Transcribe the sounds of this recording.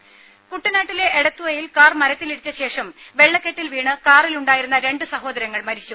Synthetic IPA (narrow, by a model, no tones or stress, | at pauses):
kuʈːinaːʈːile̞ʔːɽɐt̪ːuʋɐjilkaːrmɐɾɐt̪ːiliɽit͡ɕːɐɕe̞ːʂɐmʋe̞ɭːɐkːeʈːilʋiːɳɨkaːriluɳɖaːjiɾunːɐɾe̞ɳɖɨsɐɦo̞ːd̪ɐɾɐŋːɐɭmɐɾit͡ɕːu